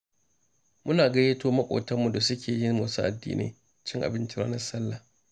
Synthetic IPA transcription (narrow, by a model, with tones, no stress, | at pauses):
mʊ˦naː˨ɡɐ˦jeː˦toː˦mɐ˦kʷʼo̰ː˨tɐ˦mːu˨da˨sʊ˦kʲeː˨jɪ˦nmoː˨su˦ʔa̰˨dːḭː˦nʔḛː˨ | t͡ʃɪ˦ŋʔa̰˨bɪ˦nt͡ʃɪ˦ɾa̰ː˦nɐ˦rsɐ˦lːa˨